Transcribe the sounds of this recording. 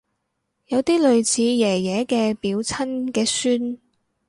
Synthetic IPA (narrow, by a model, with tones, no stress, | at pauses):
jɐ˨˧wt̪iː˥lɵ˨ɥt͡sʰiː˨˧jɛː˨˩jɛː˨˧kɛː˧piː˨˧wt͡sʰɐ˥nkɛː˧syː˥n